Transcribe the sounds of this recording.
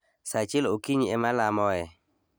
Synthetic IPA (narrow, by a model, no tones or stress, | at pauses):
sat͡ʃɪlokiɲiɛmalamɔɛ